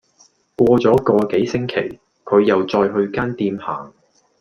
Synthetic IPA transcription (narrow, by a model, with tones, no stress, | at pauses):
kʷwɔː˧t͡sɔː˨˥kɔː˧ke˨˥jsɪ˥ŋkʰe˨˩j | kʰɵ˨˧ɥjɐ˨wt͡sɔː˧jɦɵ˧ɥkaː˥nt̪iː˧mha̰ː˨˩ŋ